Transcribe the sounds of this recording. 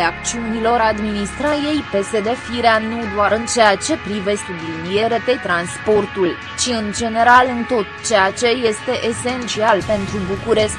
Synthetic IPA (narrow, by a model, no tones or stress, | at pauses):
eak̚t͡ʃiunilo̞ɾad̪minist̪ɾaje̞jpe̞se̞d̪e̞fiɾeanud̪oaɾɨnt͡ʃe̞jat͡ʃe̞pɾive̞sublinije̞ɾet̪e̞t̪ɾanspo̞rt̪ul | t͡ʃiɨnd͡ʒe̞ne̞ɾalɨnt̪o̞t̪t͡ʃe̞jat͡ʃe̞je̞st̪e̞ʔese̞nt̪t͡ʃialpe̞nt̪ɾubukuɾe̞sk